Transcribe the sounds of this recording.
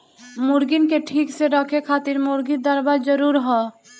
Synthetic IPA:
muɾɡinkeʈʰiːkseɾəkʰekʰaːt̪iɾmʊɾɡid̪əɾbaɾd͡ʒəɾuːɾɦɔ

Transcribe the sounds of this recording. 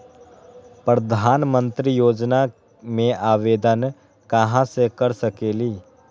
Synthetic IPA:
pɾəd̪ʱaːnmə̃nt̪ɾijoːd͡ʒna | mẽʔaːʋeːd̪ən | kɐɦãsekəɾsəkeːliː

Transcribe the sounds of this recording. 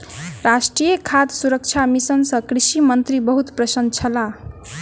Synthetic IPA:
ɾasʈrijekʰad̪suɾʌk̚t͡ʃʰamisʌnsʌkrisimʌnt̪ɾibʌɦut̪prʌsʌnt͡sʰʌla

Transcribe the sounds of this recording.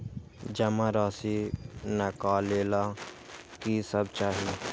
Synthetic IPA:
d͡ʒəmaɾaːsinəkaːleːla | kisəb̚t͡ʃaːɦi

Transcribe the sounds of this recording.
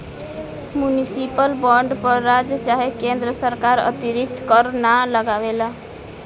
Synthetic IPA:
mjunisipəlbəɳɖpəɾːad͡ʒjət͡ʃaɦekẽnd̪ɾəsəɾkaɾə̰t̪iɾik̚t̪kəɾnaləɡaʋela

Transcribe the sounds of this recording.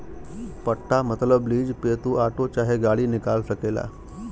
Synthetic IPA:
pəʈʰːamət̪ləbliːd͡ʒpeːt̪uʔaːʈot͡ʃaːɦeɡaːɽinɪkaːlsəkeːla̰ː

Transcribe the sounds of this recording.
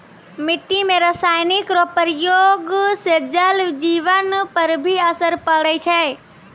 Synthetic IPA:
miʈːimeɾəsajnikɾopəɾjoɡsed͡ʒəld͡ʒiʋənpəɾbʱiəsəɾpəɽɛt͡ʃʰɛ

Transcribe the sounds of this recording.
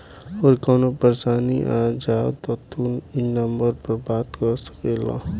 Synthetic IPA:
ɔːɾkoːnopəɾsaːniʔaːd͡ʒaːt̪ot̪uinəmbəɾpɐɾbaːt̪kɐɾsə̥keːla̰ː

